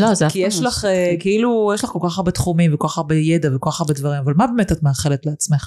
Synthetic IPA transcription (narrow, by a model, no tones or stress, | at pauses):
lozekijeʃlaχekeilujeʃlaχko̞lkaχaʁbet̪χumimvekoaχaʁbejedavekoaχaʁbedvaʁimavalmabemetatmeaχe̞letleat͡smeχ